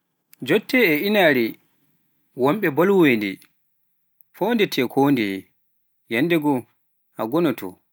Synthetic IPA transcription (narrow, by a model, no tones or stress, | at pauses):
d͡ʒɔtːɛːinaɾi | wɔmɓɛbɔlwendɛ̰ | foːndɛtʰɛːkʰoːndɛ | jandɛɡɔ | ʔa̰ɡɔnɔtʰɔ̰